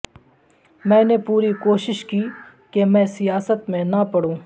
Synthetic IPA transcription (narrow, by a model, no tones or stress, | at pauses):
mɛ̃ːnepuːɾikoːʃɪʃkiː | kemɛ̃ːsijaːsət̪mẽnɐpɐɽũː